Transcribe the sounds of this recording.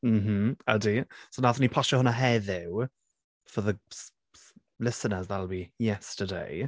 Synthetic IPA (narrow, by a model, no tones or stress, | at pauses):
m̩m̥m̩a̰disonaθənipʰɔʃəhʊnəɦɛðɪw | fəðəs | lɪsənəzðətlˠbijɛstədḛj